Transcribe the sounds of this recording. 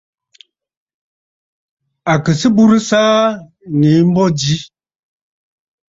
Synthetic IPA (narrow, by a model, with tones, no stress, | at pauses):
a˨kə˨sə˦bu˦ɾə˦saː˦ | ŋe˨˦m̩˦bɔ˦d͡ʒi˦